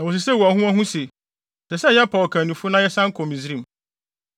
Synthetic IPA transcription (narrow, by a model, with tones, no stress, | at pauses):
nã˨wo˨s̬ɪ˨sɛ˦wu˨a˨hũ˦a˦ɦũ˦se˨ | sɛ˨sɛ˦˨jɛ˦pʰɔ˨kʰã˨nũ˨fu˦nã˦jɛ˦sã˦ŋ̩˦kʰɔ̃˨mĩ˨zi˦ɾĩ˦˨m